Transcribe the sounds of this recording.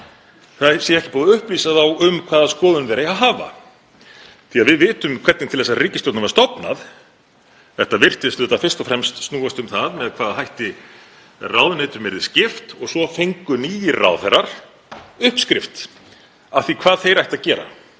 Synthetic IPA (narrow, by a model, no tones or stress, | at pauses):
θasjɛɛhcɪpɔːðʏhpliːsaθawʏmkʰvaːðaskɔːðʏnvɛɾaaɦaːva̰ | θiaðvɪðvɪːt̪ʏmkʰvɛt̪nɪnt̪ʰɪlðɛsariːcɪst̪owt̪avaɾst̪ɔpna̰ð | θɛht̪avɪr̥t̪ɪst̪ʏːt̪afɪr̥st̪ɔfɾɛmst̪snuːast̪ʏmθaðmɛðkʰv̥aːðaɦajht̪ɪ | raːwðʏnejt̪ʏɾmɛɾðɪscɪft̪ɔɣsɔfejŋkʏniːjɪra̰wðθɛɾaɾ̥ | ʏhpskɾɪft̪ | aθikʰv̥aːðθejɾajht̪aðcɛːɾa̰